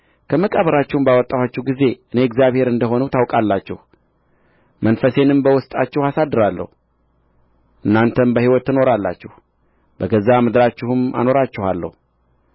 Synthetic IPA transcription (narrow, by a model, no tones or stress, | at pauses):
kʰəməkʼəβəɾat͡ʃːɛwmbawɔt̪ʼːawat͡ʃːɛhɡize̞ʔɨne̞ɪɡzjaβhe̞ɾɨnd̪əɦo̞nuwt̪ʰawkʼalːat͡ʃːɛ̰h | mənfəse̞nɨmbəwʊst̪ʼat͡ʃːɛhasad̪ːɨɾalːə̰hu | ʔɨnːant̪ʰənbəhiwɔt̪ːɨnoɾalːa̰t͡ʃːɛh | bəɡəzːamɨd̪ɾat͡ʃːɛhɨma̰no̞ɾat͡ʃːɪha̰lːə̰hu